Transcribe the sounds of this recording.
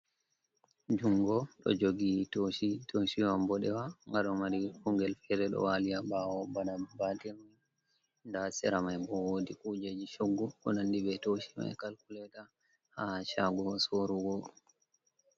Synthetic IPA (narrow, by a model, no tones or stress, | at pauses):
d͡ʒuŋɡɔɗɔ̰d͡ʒoɡitoʃitʰoʃiwambɔɗɛwaŋɡaɗɔmaɾihuŋɡɛlfɛɾɛɗɔ̰walijabawɔbaɗabatɛmaj | ndasɛɾamajbɔwoːdikud͡ʒed͡ʒiʃoɡːuʔɔ̰nandibɛtoʃi̥ma̰jkalkulɛta | haʃaɡɔsoɾuɡɔ